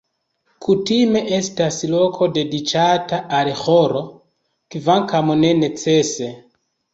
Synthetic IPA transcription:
kʰutime̞ʔe̞staslo̞kʰo̞de̞dit͡ʃataʔalxoɾo̞ | kivaŋkamune̞ne̞t͡se̞se̞

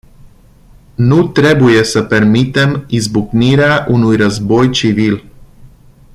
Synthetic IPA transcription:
nut̪ɾebujesəpermit̪e̞mizbukniɾeaʔunujɾəzbo̞jt͡ʃivil

